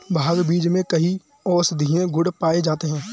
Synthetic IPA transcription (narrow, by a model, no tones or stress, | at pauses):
bʱaːɡbiːd͡ʒmẽkɐɦi | ɔːsd̪ʱiːẽɡʱʊɽpaːed͡ʒaːt̪eɦɛ̃ː